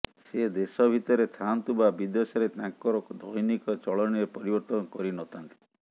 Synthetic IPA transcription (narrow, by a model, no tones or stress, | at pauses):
ssed̪esɔbʱit̪ɔɾet̪ʰant̪ubabid̪esɔɾet̪aŋkɔɾɔd̪ʱɔjnikɔt͡ʃɔɭɔñiɾepɔɾibɔɾt̪ɔnɔkɔɾinɔt̪ʰant̪i̥